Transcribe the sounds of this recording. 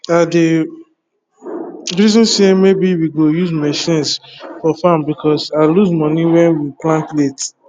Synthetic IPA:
ade | ɹizɔ̃nsemebiwiɡojuzmɛʃĩnsfɔfãmbikʰɔsaɪluzmɔ̃niwɛ̃nwiplãntlet

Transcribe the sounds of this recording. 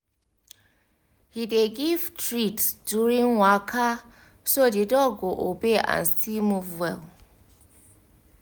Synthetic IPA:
hideɡivtɹitd̥uɾĩŋwakʰa | sodidɔɡoʔobeʔã̰n̩stimuvwɛl

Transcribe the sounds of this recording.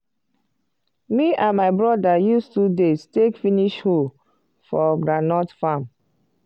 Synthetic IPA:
miʔãnmaɪbɹɔdajustudestekfiniʃhol | fɔɡɹanɔtfãm

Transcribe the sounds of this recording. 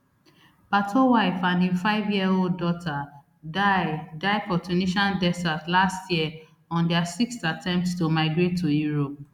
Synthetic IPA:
patʰowaɪfãndĩfaɪvjiɛoldɔtʰa | adaɪfɔtʰuniʃãndɛsatlastjiɛ | ɔ̃ndɛasikstatʰɛ̃mp̚tstomaɪɡɹetʰːujuɹop̚

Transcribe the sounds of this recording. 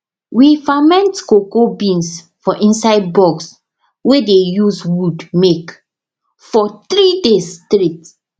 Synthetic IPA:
wifamɛ̃ntkokobĩns | fɔʔĩnsaɪd̚bɔɡs | wedejuzwudmek | fɔt̪ɾidestɾit

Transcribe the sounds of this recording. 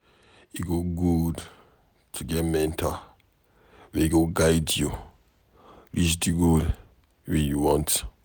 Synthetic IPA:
iɡoɡud | tʰuɡɛtmɛ̃ntʰa | wɛiɡoɡajdju | lisdiɡol | wɛnjuwɔ̃nt

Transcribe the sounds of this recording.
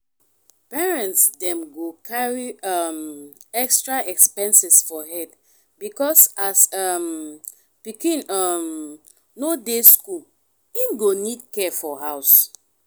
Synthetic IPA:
pɛɹɛ̃ntsdɛ̃mɡokʰaɹiamɛkstɹaɛkspɛ̃nsɛsfɔɦɛd | bikɔsasam | pikĩnam | nodeskul | ĩnɡonidkɛfɔɦaʊs

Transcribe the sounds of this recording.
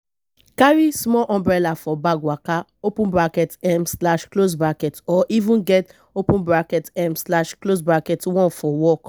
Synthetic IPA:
kaɾismɔlʔɔ̃mbɾɛlafɔbaɡwaka | opũnbɾakɛtɛmslaʃklos̬bɾakɛtɔʔivũnɡɛt | opũnbɾakɛtɛmslaʃklosbɾakɛtwɔ̃nfɔwɔk

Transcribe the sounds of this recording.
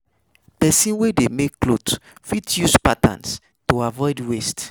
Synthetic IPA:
pɛsĩnwedemekːlotfitjuspatã̰ns | toavɔɪdwest

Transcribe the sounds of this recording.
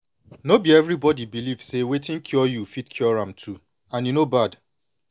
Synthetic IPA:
nobiɛvɹibɔdibilivsewetɪ̃ŋkʰjɔjufitkʰjɔɹãmtʰu | ãnjunobad

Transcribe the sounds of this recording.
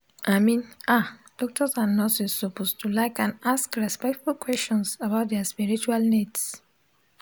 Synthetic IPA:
aɪmĩnad̥ɔk̚tɔsãnːɔsissopostulaɪkãnaskɹɛspɛk̚tfulkwɛst͡ʃɔ̃nsabaʊt̚dɛaspiɹit͡ʃualnits

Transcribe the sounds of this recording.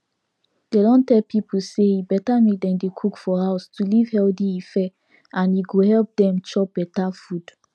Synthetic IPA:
d̥edɔ̃ntɛlpʰipʰuseibɛtamet̚dɛ̃ndekʰukfɔhaʊstʰuliv̥hɛldiifɛ | ãnjiɡohɛlp̚dɛ̃mt͡ʃɔb̥ɛtafud̥

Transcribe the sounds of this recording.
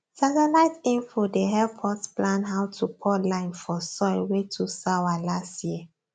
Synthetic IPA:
satəlaɪtĩnfodeɦɛpʰɔtplãnɦawtʰupʰɔlãɪ̃nfɔsɔɪlwetʰusawalastjiə

